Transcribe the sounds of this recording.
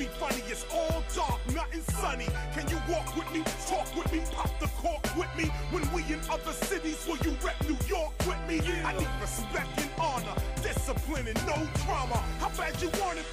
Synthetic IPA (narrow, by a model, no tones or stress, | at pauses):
ifʌniɨtsɔlˠdɑɹk̚nəɾɨ̃nsʌnikʰɨ̃njɨwɔkwɨðmitʰɔkwɨðmipʰɑp̚ðəkʰɔɹkwɪðmiwɨ̃nwiɨ̃nʌðə˞sɪɾizwə˞jɨɹɛtnʉjɔɹkwɪðmiaɪnikvəslɛf̚tɨ̃nɑnə˞dɪsəpʰlɨ̃nɨ̃nːoʊtʰɹ̥ɑməhaʊbæd͡ʒɨwɑɹnɨd